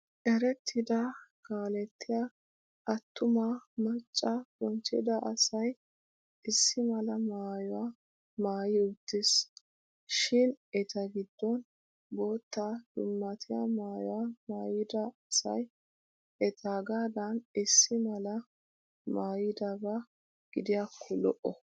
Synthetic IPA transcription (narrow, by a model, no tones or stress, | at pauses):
ʔɛɾɛt̪ʰːɪd̪ɐkaːlɛt̪ːɪja | ʔɐt̪ːʊmamɐt͡ʃʼːɐbɔnt͡ʃːɪ̰d̪ɐʔɐsɐj | ʔɪsːɪmɐlɐmaːjɔwaː | maːjɪʊt̪ːɪs | ʃɪnɛt̪ɐɡɪd̪ːɔn | boːt̪ːad̪̥ʊmːɐt̪ʰɪja̰maːjɔwamaːjɪd̪ɐsɐ̰j | ʔɛt̪ʰaːɡaːd̪ɐnɪsːɪmɐlɐ | maːjɪd̪ɐbɐ | ɡ̥ɪd̪ɪjakʰːɔlɔ̰ʔɔ